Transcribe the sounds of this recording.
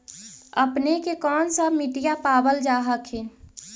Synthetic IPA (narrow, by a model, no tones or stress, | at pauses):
əpnekekɔːnsəmiʈijapaːbəld͡ʒaːɦəkʰe